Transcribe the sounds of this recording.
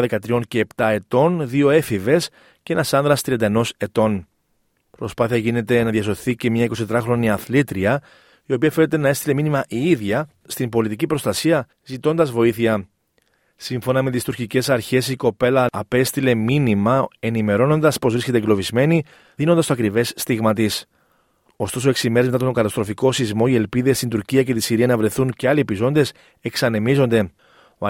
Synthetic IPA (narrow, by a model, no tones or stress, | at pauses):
ðekɐt̪ɾio̞nce̞ːpt̪ɐe̞t̪o̞nðio̞e̞five̞s | cee̞nɐsɐnðɾɐst̪ɾiɐnd̪eno̞se̞t̪o̞n | pɾo̞spɐθiɐʝine̞t̪e̞nɐðjɐso̞θice̞mɲɐiko̞st̪t̪ɾɐxɾo̞niɐθlit̪ɾiɐ | io̞piɐfe̞net̪e̞nɐe̞st̪ile̞minimɐʔiiðʝɐ | st̪imbo̞lit̪icipɾo̞st̪ɐsiɐ | zit̪o̞nd̪ɐzvo̞iθiɐ | siɱfo̞nɐme̞t̪ist̪uɾcice̞sɐɾçe̞siko̞pe̞lɐːpe̞st̪ile̞minimɐe̞nime̞ɾo̞no̞nd̪ɐspo̞zvɾisce̞t̪eɡlo̞vizme̞ni | ðinond̪ɐst̪ɐkɾive̞sːt̪iɣmɐt̪is | o̞st̪o̞soe̞ksime̞ɾemet̪ɐat̪ooŋɡɐt̪ɐst̪ɾo̞fiko̞sizmo̞ie̞lpiðe̞st̪ind̪uɾciɐce̞t̪isiɾiɐnɐvɾe̞θunceɐlipizo̞nd̪e̞s | e̞ksɐne̞mizo̞nd̪e̞